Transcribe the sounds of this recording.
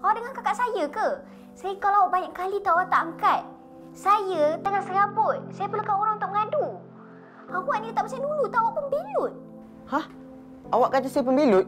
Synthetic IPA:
kaadəŋankakaʔsajəkə | sajəkalawaʔbaɲaʔkkːalit̪awaʔt̪aʔaŋkat̪̚ | sajət̪əŋasəɾabʊt̪̚sajəpəlakaoɾaŋt̪aʔməŋadu | awaʔnət̪aʔpasaŋdulut̪aʔawaʔpəmbilut̪̚ | hah | ʔawaʔkad͡ʒasajəpəmbilʊt̪̚

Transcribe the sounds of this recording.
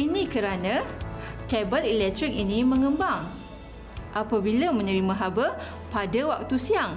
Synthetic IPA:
inĩkəɾanãkɛbəlilɛk̚t̪ɾik̚inĩmə̃ŋə̃mbaŋ | ʔapabilamə̃ɲəɾimãɦabə | padawak̚t̪usiaŋ

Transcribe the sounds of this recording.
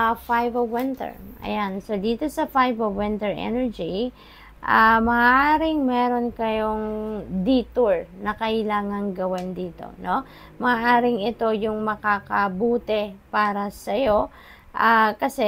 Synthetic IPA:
fajvɐwɪnt̪ɛ̰ɹʔɐ̰jansod̪iːt̪o̞sɐfajvɐwɪnt̪ɛɹʔɛ̰nɛɹd͡ʒi | ʔamɐaʔaːɾɪŋmɛːɾo̞nkɐjoŋd̪iːt̪uɹnɐkɐʔɪlaːŋɐŋɡɐwɛnd̪iːt̪o̞̰no̞ | mɐaʔaːɾɪŋɪt̪o̞jʊŋmɐkaːkɐbuːt̪ɛpaːɾɐsɐjo̞ | ʔakɐsɛ

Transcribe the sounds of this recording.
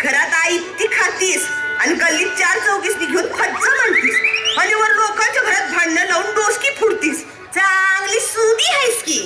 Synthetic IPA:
ɡʱəɾat̪ajt̪iːkʰat̪iːs | anikəlːiːt͡ɕaɾt͡səwkiːsniɡʱeunpʰət̪d͡zəməɳt̪iːsɦəniʋəɾɾokʰat͡ɕaɡʱəɾat̪̚bʱaɽnələunɖoskiːpʰuɽt̪iːs | t͡saŋɡliːsud̪iːɦajskiː

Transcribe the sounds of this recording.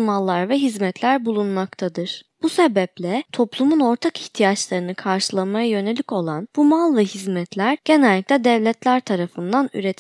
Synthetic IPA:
malˠːaɾvɛɦizmɛt̪ʰlʲæɾbulˠunmakt̪ʰad̪ɯɾ̥b̥usebɛplʲɛt̪ʰo̞plˠumuno̞ɾt̪ʰakiçt̪ʰijat͡ʃlˠaɾɯnɯkʰaɾʃɯlˠamajajø̞ne̞lʲico̞lˠanbumalˠvɛhizmɛt̪lʲæɾ̥ɟ̥e̞nɛlʲːicʲlʲɛd̪ɛvlʲɛt̪lʲæɾt̪ʰaɾafɯnd̪any̰ɾet̪ʰ

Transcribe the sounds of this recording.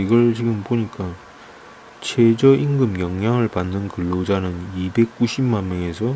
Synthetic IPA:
iɡʌɭt͡ɕiɡɯmpoɲik͈a | t͡ɕʰed͡ʑʌʔiŋɡɯmjʌŋjaŋɯɭpanːɯnkɯɭːod͡ʑanɯnibe̞k̚k͈uɕʰimːanmjʌŋe̞sʰʌ

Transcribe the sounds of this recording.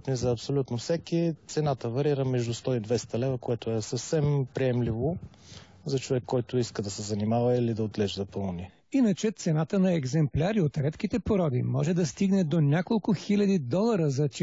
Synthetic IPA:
t̪nizɐːpsolʲut̪nofsɛkit̪sɛnat̪əvɐɾiɾəmɛʒd̪ust̪ɔid̪vɛst̪ɐlɛvəkoɛt̪ʊɛsəfsɛmpɾiɛmlivo | zɐt͡ʃovɛkːɔjt̪ʊiskəd̪ɐsɛzɐnimavɐilid̪ɐot̪lɛʒd̪ɐpəlˠni | inət͡ʃɛt̪sɛnat̪ənɐɛɡzɛmplʲaɾiot̪ɾɛt̪k̟it̪ɛpoɾɔd̪ḭmɔʒɛd̪ɐst̪iɡnɛd̪onʲakolˠkʊxilʲɐd̪id̪ɔlˠɐɾəzɐt͡ʃ

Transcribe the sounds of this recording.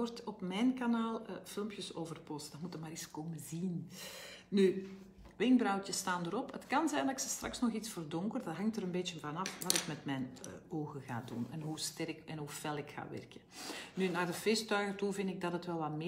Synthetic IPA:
ɔrtɔpmɛnkanaːlˠfɪlˠmpjəsoːvərpɔstd̥ɑtmutəmaːɾiskoːməzin | ny | ʋɪŋbrɑwtəstaːndəɾɔpətkɑnzɛjndɑɪksəstrɑ̰ksnɔxitsfoːrdɔŋkərdɑtɦɑŋtəɾənbeːtənvɑnɑfʋɑtɪkmɛtmɛjnoːɣəɣa̰ːdṵnɛnɦustɛrkɛnɦufɛlˠɪkxa̰ːʋɛ̰rkənynaːrdəfeːstœɥɣətuvɪndɪɡ̚dɑtətʋɛlˠʋɑtmɪ

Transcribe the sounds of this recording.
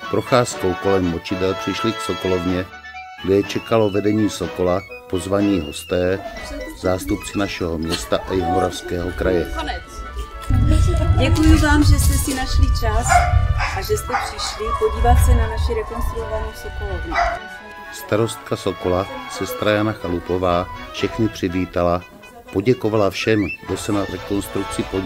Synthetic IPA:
pɾoxaːskowko̞lɛmːot͡ʃɪd̪ɛlpr̥ɪʃlɪksokolovɲɛ | ɡdɛjɛt͡ʃɛkalo̞vɛdɛɲiːsoko̞la | po̞zvaɲiːɦo̞st̪ɛːzaːst̪upt͡sɛnaʃɛɦomɲɛst̪aʔajɛmoɾafskɛːɦokɾajɛ | ɟɛkujɪvaːmʒɛst̪ɛsinaʃlit͡ʃasʔaʒɛst̪ɛpr̥ɪʃlipo̞ɟiːvat̪sɛnanaʃiɾɛko̞nst̪ɾuovanɛusokoladu | st̪aɾo̞st̪̚kaso̞ko̞lasɛst̪ɾajanaxalupo̞vaːfʃɛxɲɪpr̝̥ɪviːt̪ala | po̞ɟɛkovalafʃɛmɡdosɛnaɾɛko̞nst̪ɾuk̚t͡sɪpo

